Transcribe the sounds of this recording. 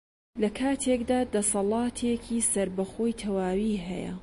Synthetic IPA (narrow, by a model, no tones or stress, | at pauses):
lɐkʰaːt̪ʰekd̪aːd̪ɐsɑlˠɑːt̪ʰekʰiːsɐɾbɐxo̞ːjt̪ʰɐwaːwiːɦɛ̰jɐ̰